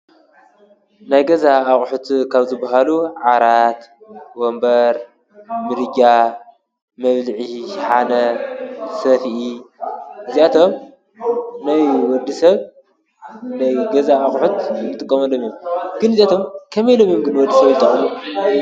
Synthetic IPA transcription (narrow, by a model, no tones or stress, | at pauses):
najɡɐzaːxʼħut̪kʰaβzɨbaɦaluʕaɾat̪wombɐɾ | mɨɾɨɡʲa | mɐβlɨʕiʃħanɐ | sɐfʔi | ɨziat̪ʰom | najwɔd̪isɐβ | najɡɐzaːχʼħut̪bɨt̪ʼɨkʼːɐmɐlomjomɡ̥ɨnɨziat̪ʰo̞mkʰɐmejlomjomɡɨnwɔd̪ːisɐβjt̪ʼɐʕmu